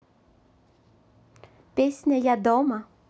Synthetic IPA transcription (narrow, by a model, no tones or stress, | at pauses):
pʲesʲnʲɐjad̪ɔmɐ